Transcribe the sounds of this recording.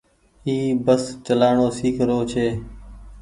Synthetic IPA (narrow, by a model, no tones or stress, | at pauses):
ɦiːbəst͡ʃəlaːɳoːsiːkʰɾoːt͡ʃʰeː